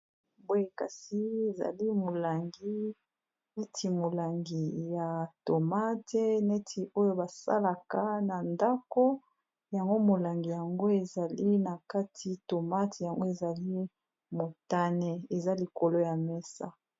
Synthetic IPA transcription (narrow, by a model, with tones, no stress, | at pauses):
bo˦je˦ka˨si˦e˨za̰˨li˦mo˨la˨ŋɡi˦ | ne˦tʰi˨mo˨la˨ŋɡi˨ja˨to˨ma˦te˦ne˦tʰi˨ʔo˦jo˦ba˨sa̰˦la˨ka˦na˨nda˦ko˦ | ja˨ŋɡo˦mo˨la˨ŋɡi˨ja˨ŋɡo˦e˨za˨li˦na˨ka˦tʰi˨to˨ma˦te˨ja˨ŋɡo˦e˨za˨li˦ | mo˨ta˦nɛ˨e˨za˦li˨ko˨lo˦ja˨mɛ˦sa̰˦